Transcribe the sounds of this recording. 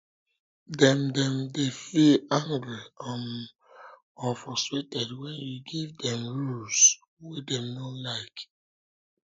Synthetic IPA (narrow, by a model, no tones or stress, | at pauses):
dɛ̃mdɛ̃mdefilãŋɡɹiãn | ɔ̃nfɹɔstɹetɛdwɛ̃njuɡivdɛ̃mɹuls | wedɛ̃mnolaɪk